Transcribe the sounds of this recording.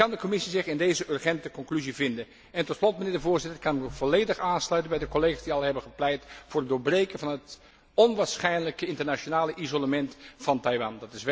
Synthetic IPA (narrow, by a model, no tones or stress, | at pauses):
kɑndəkomɪsizɪχɪndejzəʔørχɛntəkɔŋklyzivɪndən | ɛntɔtslɔtmənɪːɹdəvʊːɹzɪtəɹkɑnmv̥ɔlejdəχaːnslœɥtənbɛjdəkɔlejχasdiɑlˠɦɛbənχəplɛjtfʊːrət̚dʊːɹbrejkənvɑnɦət | ɔnʋaːɹsχɛjnləkəɪntəɹnat͡ʃonaːləʔizoləmɛntfɑntɑjʋɑndɑtɪs